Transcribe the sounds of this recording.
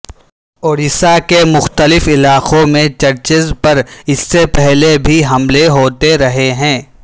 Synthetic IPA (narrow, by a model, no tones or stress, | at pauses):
oːɾɪsakemʊxt̪əlɪfɪlaːqõmẽt͡ʃɐɾt͡ʃɪzpɐɾɪsːepɛɦlebʱiɦɐmleɦoːt̪eɾɐɦeɦɛ̃ː